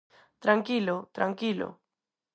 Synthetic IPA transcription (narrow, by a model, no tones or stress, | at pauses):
t̪ɾaŋkilot̪ɾaŋkilo̰